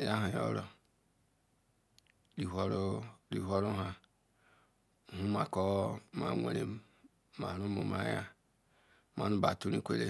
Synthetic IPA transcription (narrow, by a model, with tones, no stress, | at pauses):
ja˦ɦa˨jo̰˦ɾo˨ | li˨ɦʷo˦ɾo˦ɾi˨ɦʷo˦ɾo˦ɦa˨ | hu˦ma˨ko˦ma̰˨ŋʷe˨ɾe˨ | ma˨ɾu˦mo˨ma̰˦ja˦ | ma˨nu˦ba˨tu˦ɾi˦kʷe˦le˦